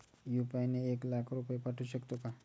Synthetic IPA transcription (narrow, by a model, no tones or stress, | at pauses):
jupajneeklakʰɾupjepaʈʰuɕəkt̪oka